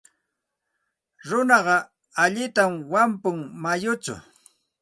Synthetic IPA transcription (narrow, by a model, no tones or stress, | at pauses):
ɾʊnɑɢɑ | aʎɪt̪amwampʊŋmajʊt͡ʃʊ̰